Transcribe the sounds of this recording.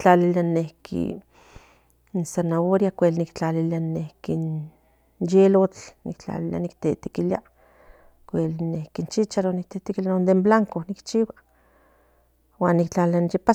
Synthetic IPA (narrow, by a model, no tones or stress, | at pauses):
t͡ɬalilianehkʰḭ | nsenaoɾjakʷelnikt͡ɬalilianehkin | jelot͡ɬnḭkt͡ɬa̰lilia̰nikt̪et̪i̥kilia | kʷelnehkint͡ʃit͡ʃaɾonik̚t̪et̪ikilanond̪emblaŋkonikt͡ʃiwa | waːnːikt͡ɬalilanjepa